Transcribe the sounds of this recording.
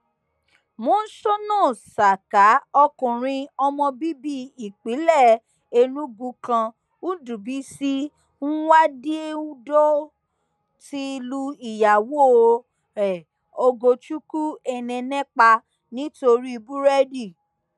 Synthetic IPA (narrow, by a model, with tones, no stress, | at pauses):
mõː˨˦n̩˦ʃo˦nɔ̃ː˦˨sa˨ka˨˦ɔ˧kũ˨ɾ̃ĩ˧ɔ˧mɔ̃˧bi˦bi˦i˨k͡pi˨˦lɛ˦˨ | e˧nũ˦ɡũ˧˦kã˧ | u˦du˨bi˨˦si˦ | ñ̩˦wa˦di˦e˦u˦do˦ | ti˧lu˧i˨ja˨wo˦˧ | ɾɛ˨ | o˧ɡo˧t͡ʃu˦ku˦ɛ˧nɛ̃˧nɛ̃˦k͡pa˧ | nĩ˨˦to˧ɾi˦i˧bu˦ɾɛ˦di˦˨